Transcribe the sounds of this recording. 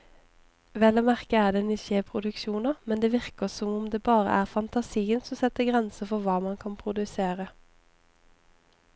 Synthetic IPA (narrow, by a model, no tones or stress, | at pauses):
ʋɛləmæʁkəæːʁd̪ɛnɪçeːpʰʁʊd̪ʉkʃuːnəmɛnd̪eːʋɪʁkəsɔmʊmd̪eːbɑːʁə̰ʔæːʁfɑnt̪ɑsiːənsɔsɛt̪əɡʁɛnsəfɔʋɑːmɑnkʰɑnpʰʁʊd̪ʉseːʁə